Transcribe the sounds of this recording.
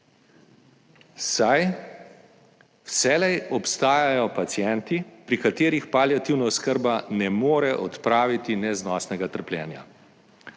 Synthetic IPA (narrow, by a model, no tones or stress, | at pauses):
saj | wsɛːlɛjɔpst̪aːjajɔpat̪sjɛnt̪ipɾikat̪eːɾixpaljat̪iwnaɔskəɾbanɛmoːɾɛʔɔt̪pɾaːʋit̪inɛznɔst̪nɛɡat̪əɾplʲjɛ̰ːnja̰